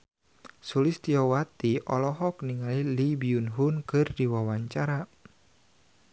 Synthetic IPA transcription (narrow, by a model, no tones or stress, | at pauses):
sulist̪iɔwat̪iʔɔ̰lɔɦɔkniŋalilibiunɦunkɨrdiwawaɲt͡ʃaɾa